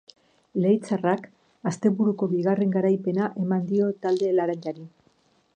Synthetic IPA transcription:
le̞jt͡sarak | ast̪e̞βuɾuko̞βiɣare̞ŋɡaɾajpe̞naʔe̞mand̪io̞t̪ald̪e̞laɾaɲʎaɾi

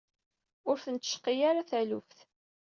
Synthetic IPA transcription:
ʊɾθənt̪ːə̥ʃqijaɾaθælʊfθ

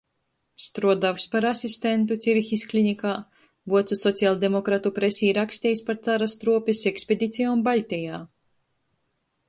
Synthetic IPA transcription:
st̪ɾuɔd̪awspaɾasʲisʲt̪ent̪̬ut̪sʲiɾxisʲklʲinʲikaː | vuɔt̪susɔt̪sialˠd̪emɔkɾat̪upɾesʲiːɾaksʲt̪ʲɛjspaɾt̪saɾast̪ɾuɔpʲiseksʲpʲed̪ʲit̪sʲijaunbalʲt̪ʲijaː

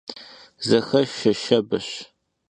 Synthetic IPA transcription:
zɐxɐʃɐʃɐbɐɕ

